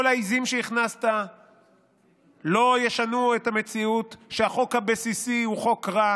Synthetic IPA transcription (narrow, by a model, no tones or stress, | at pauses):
olaizimʃeiχnast̪a | lo̞jeʃanuethame̞t͡siut̪ʃeaχo̞khabesisiuχo̞kʁa